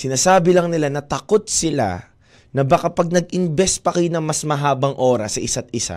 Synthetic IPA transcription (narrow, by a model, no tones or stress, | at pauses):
sɪnaːsaːbɪlɐŋnɪlanɐt̪ɐkot̪̚sɪla̰ | nɐbɐkɐpɐɡ̚nɐɡ̚ʔɪmbɛspɐkɐjnɐŋmɐsmɐɦaːbɐŋʔo̞ːɾɐsːɐʔɪsat̪̚ɪsa̰